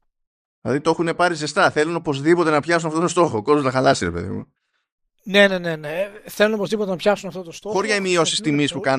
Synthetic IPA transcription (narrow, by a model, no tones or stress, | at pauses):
ðilɐ̰ðit̪o̞xune̞pɐɾizest̪ɐθe̞luno̞po̞zðipo̞t̪e̞nɐpçɐsunɐft̪ot̪ost̪o̞xoko̞zolɐxɐlɐsiɾe̞pe̞̰ðḭmṵ | ne̞ne̞ne̞neθe̞lunopo̞zðipo̞t̪enɐpçɐsunɐft̪o̞t̪ost̪oxoɾʝɐimio̞sist̪imispukɐn